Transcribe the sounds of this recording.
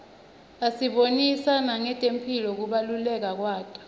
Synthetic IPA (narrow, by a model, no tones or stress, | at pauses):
asiɓonisanaŋɛtʼempʰilɔk̬uɓalulɛk̬ak̬waːtʼḁ